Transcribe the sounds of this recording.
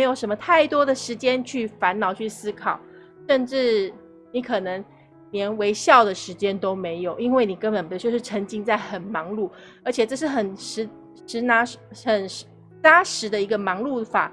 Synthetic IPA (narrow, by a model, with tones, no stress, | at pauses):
ɪjo˨˩ʊʂə˧˥nmə˧t̪ʰa˥˩ɪt̪wɔ˥d̪ə˨ʂɻ̩˧˥t͡ɕjɛ˥nt͡ɕʰy˥˩fa˧˥nnɑ˨˩ʊt͡ɕʰy˥˩sɹ̩˥kʰɑ˨˩ʊ | ʂə˥˧nʈ͡ʂɻ̩˥˩ | ni˧˥kʰɤ˨˩nɤ˧˥ŋ | njɛ˧˥nwe˧˥ɪɕjɑ˥˩ʊd̪ə˩ʂɻ̩˧˥t͡ɕjɛ˥nt̪o˥ʊme˧˥ɪjo˨˩ʊi˥nwe˥˩ɪni˨˩kə˥˦npə˨˩npt͡ɕjo˥˧ʊʂɻ̩˥˩ʈ͡ʂʰə˧˥ŋt͡ɕi˥ŋt͡sa˥˩ɪxə˨˩nmɑ˧˥ŋlu˥˩ | ə˞˧˥t͡ɕʰjɛ˨˩ʈ͡ʂɤ˥˧ʂɻ̩˥˩xə˨˩nʂɻ̩˧˥ | ʂɻ̩˧˥na˧˥ʂxə˨˩n | t͡sa˥ʂɻ̩˧˥d̪ə˧i˧˥ɡə˧mɑ˧˥ŋlu˥˩fa̰˨˩